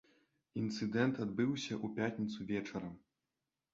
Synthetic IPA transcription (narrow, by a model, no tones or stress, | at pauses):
int̪sɨd̪ɛnt̪ad̪̚bɨwsʲɐʔupʲat̪ʲnʲit̪suvʲɛt͡ʂɐɾɐ